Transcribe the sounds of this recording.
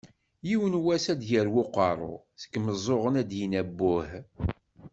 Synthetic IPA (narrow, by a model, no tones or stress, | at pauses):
jiwənwæsæd̪jəɾwʊqɑɾˤo̰θə̥kːməzˤoʁənæd̪jinæbːʊh